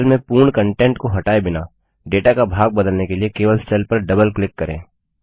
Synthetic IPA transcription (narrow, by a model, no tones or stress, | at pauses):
lmẽpuːɾɳkɐ̃ɳʈẽːɳʈkoɦɐʈaːebɪna̰ː | ɖeːʈakabʱaːɡ̚bɐd̪əlnekeliekeːʋəlst͡ʃɐlpɐɾɖɐbəlklɪkːɐɾḛ̃ː